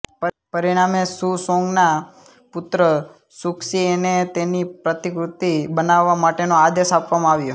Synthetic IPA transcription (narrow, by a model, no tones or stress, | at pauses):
pəɾiɽ̃amesusõŋɡna | pʊt̪ɾə | sukʃienet̪enipɾət̪ikɾut̪ibənaʋːamaʈenoad̪eʃapʋamãaʋjo